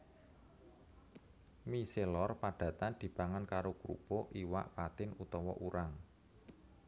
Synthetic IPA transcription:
miselɔrpaɖ̥ä̤t̪and̪̥i̤b̥a̤ŋankaɾokɾṵpoʔiwa̰ʔpat̪ɪnut̪ɔwɔ̰ʔuɾʔaŋ

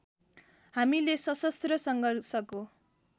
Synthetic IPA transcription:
ɦamilesʌsʌst̪rʌsʌŋɡʱʌrsʌko

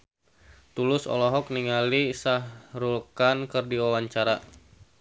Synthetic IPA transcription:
t̪ulʊsɔ̰lɔɦɔk̚niŋalisahɾulkankərdiwawaɲt͡ʃaɾa

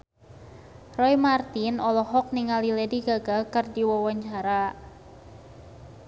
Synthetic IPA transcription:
rɔjmart̪inɔlɔɦɔk̚niŋalilediɡaɡakɨrdiwɔwɔɲt͡ʃaɾa

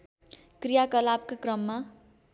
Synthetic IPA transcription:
krijakʌlab̚kakrʌmːa

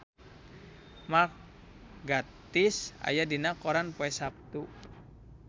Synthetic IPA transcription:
mar | ɡat̪isa̰jadinakɔɾanpoɛsap̚t̪u

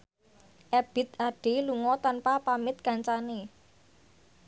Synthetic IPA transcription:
ʔɛb̥ɪ̤t̪aɖ̥e̤luŋɔt̪anpapamɪt̪̚kaɲt͡ʃane

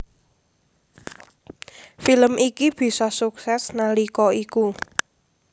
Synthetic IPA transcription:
filəmikib̥i̤sɔsuksɛsnalikɔiku

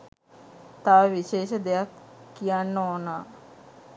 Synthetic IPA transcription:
t̪aːʋiʃeːʃəd̪ejakːijanːəonaː

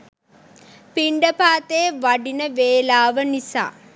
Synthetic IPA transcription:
piɳɖɐpaːt̪eːʋɐɖinɐʋeːlaːʋɐnisa̰ː

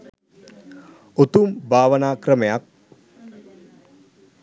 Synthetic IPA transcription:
ot̪umbʱaːʋənaːkrəmejak̚

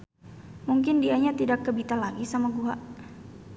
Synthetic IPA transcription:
muŋkɪndiaɲat̪idakːəbit̪alaɡisamaɡuɦa̰ʔ

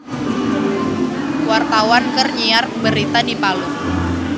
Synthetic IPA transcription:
wart̪awankərɲiarbəɾit̪adipalu

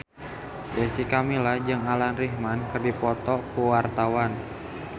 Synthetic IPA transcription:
jəsikamilahd͡ʒɨŋalanriɦmankɨrdipɔt̪ɔkuwart̪awan

